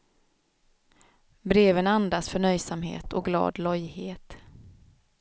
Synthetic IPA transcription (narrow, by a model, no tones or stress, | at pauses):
bɾeːvənand̪asfœɳœjsamhḛːt̪ʰɔɡlɑ̰ːd̪lœjheːt̪